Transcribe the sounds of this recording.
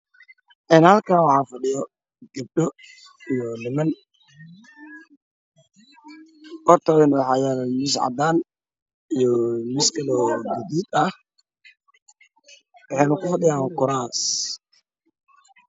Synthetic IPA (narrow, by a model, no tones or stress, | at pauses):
ʔɛːnhɐlkʰaːnwɑħɑːfɐɖɪjɔ | ɡ̥ɐb̚ɗɔ | ijɔnɪmɐn | kɔrt̪ʰɐɪnwħɑːjaɾmɪs̬ʕɑ̰d̪aːn | ijɔmɪskʰɐlɔːɡɪd̪iːd̪ɐh | wɑħɑjnʊkʊfɐɗɪjaːŋkʊɾaːs